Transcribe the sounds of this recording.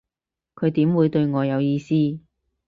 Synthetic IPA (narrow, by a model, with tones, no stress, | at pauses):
kʰɵ˨˧ɥt̪iː˨˥mwuː˨˧jt̪ɵ˧ɥŋɔː˨˧jɐ˨˧wjiː˧siː˥